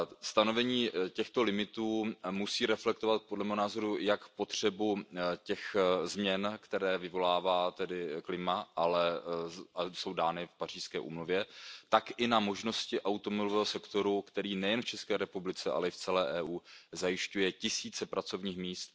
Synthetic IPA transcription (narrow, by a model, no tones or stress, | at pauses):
st̪ano̞vɛɲiːcɛxt̪o̞lɪmɪt̪uːmusiːɾɛflɛk̚t̪ovat̪̚po̞dlɛmɛːɦonaːzo̞ɾujakpo̞t̪r̝̥ɛbucɛxzmɲɛnkt̪ɛɾɛːvɪvo̞laːvaːt̪ɛdɪklɪmaʔalɛ | aso̞wdaːnɪfpar̝iːskɛːʔṵːmluvjɛt̪akɪnamo̞ʒno̞scɪʔawt̪omobɪlovɛːɦo̞sɛkt̪o̞ɾukt̪ɛɾiːnɛjɛnft͡ʃɛskɛːɾɛpublɪt͡sɛʔa̰lɛɪft͡sɛlɛːʔɛːʔuːzajɪʃcujɛcɪsiːt͡sɛpɾat͡so̞vɲiːxmiːst̪